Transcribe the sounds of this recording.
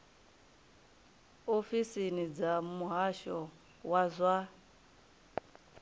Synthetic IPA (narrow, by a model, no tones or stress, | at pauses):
ofisinid͡zamuɦaʃɔ | wazʷa